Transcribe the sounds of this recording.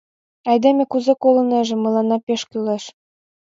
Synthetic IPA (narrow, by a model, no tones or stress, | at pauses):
ɑjd̪emʲĕkuzekolɤ̆nĕʒĕmɤ̆lˠɑnɑpeʃkyleʃ